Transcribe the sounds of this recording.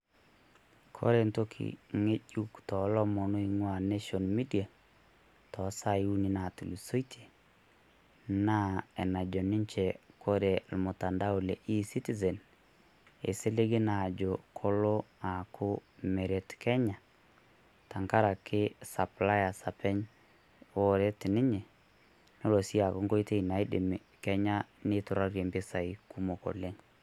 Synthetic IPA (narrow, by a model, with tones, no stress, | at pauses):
kʰo̰˦ɾe˨nto˦kʰḭ˨ŋe˦ʄu˦ktɔ˨lɔ˦mɔ˨no˦i˦ŋwa˨ne˦ʃɔ˨nmi˦di˨a˨ | tɔ˨˦sa˦i˦u˦ni˦na˨tu˨lu˨so˦i˦tʰe̥˨ | na˦ɛ˨na˨d͡ʒɔ˨nɪ˦ɲt͡ʃɛ˨kʰo˦ɾe˨lmo˨ta˨nda˦o˨lɛ˨ʔi˦si˦ti˦zɛ˨n | ḛ˨sɪ˦le˦ɡɪ˦na˨d͡ʒo˨kʰɔ˦lɔ˦a˨kʰʊ˦me˨ɾe˨tkɛ˦ɲa˨ | ta˨ŋka˦ɾa˨kʰɪ˦sa˨pla˦ja˨sa˨pɛ˦ɲ | ɔ˦ɾe˦tɪ˨nɪ˦ɲɛ˨ | no˦lo˨si˦a˨kʊ˦ŋko˦i˦te˦i˨na˨i˦dɪ˨m˨ | kɛ˦ɲa˦nɪ˦tʊ˨ɾa˦ɾje˨mbɪ˦sa˨i˦ku˦mo˨kɔ̰˨le˦ŋ